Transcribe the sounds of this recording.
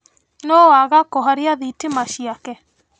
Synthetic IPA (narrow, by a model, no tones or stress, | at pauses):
noaɣakɔɦaɾjaðitemaʃiakɛ